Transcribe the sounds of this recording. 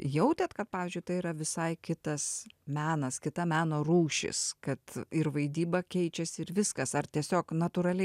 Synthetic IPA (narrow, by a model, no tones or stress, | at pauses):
jɛʊt̪ʲɛt̪kɐt̪̚pɑːʋʲɪːzʲd͡ʒʲʊɪt̪ɐɪiɾɐʋʲɪsɐɪkʲɪt̪ɐsmʲæːnɐskʲɪt̪ɐmʲæːnoːɾuːʃʲɪ̰skɐt̪ɪɾʋɐɪd̪ʲiːbɐkʲɛɪt͡ʃʲɛsʲɪɾʋʲɪskɐsɐrt̪ʲiɛsʲoːknɐt̪uɾɐlʲɛɪ